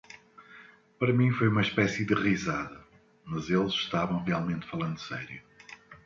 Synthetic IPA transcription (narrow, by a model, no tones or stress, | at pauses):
pɐɾɐmĩfojumɐʃpɛsiðɨʁizaðɐ | mɐzelˠzʃt̪avɐ̃w̃ʁialˠmẽnt̪fɐlˠɐ̃nd̪usɛ̰ɾju